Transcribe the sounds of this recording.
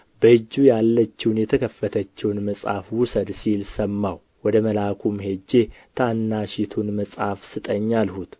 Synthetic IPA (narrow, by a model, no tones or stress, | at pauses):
bəɨd͡ʒːujalːət͡ʃːɪwnjɛt̪ʰəkʰəfːət̪ʰət͡ʃːɛwnməsʼha̰fwʊsəd̪silsəmːaw | wɔd̪əməlakʰumhe̞d͡ʒːe̞t̪ʰanːaʃit̪ʰunməsʼhafsɨt̪ʼəɲːalhut̪